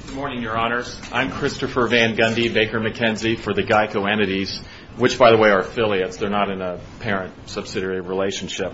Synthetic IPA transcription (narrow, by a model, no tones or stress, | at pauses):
ɡ̥ʊd̚mɔɹnɪ̃ŋjə˞ɑnə˞z | ʔãɪ̃mkʰɹ̥ɪstɨfə˞væ̃nɡʌ̃ndibeɪkə˞mɨkʰɛ̃nzifə˞ðɨɡaɪkʰoʊɛ̃nɨɾiz̥ | wɨt͡ʃb̥aɪðəweɪə˞fɪlˠiɨtsðə˞nəɾɨ̃nə | pʰɛɹɨ̃nt̚sʌb̥sɪɾɛɹiɹileɪʃn̩ʃɪp̚